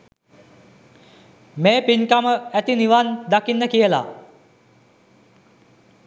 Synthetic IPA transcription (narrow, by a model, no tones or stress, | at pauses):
meːpiɲkaməæt̪iniʋand̪akinːəkijəla̰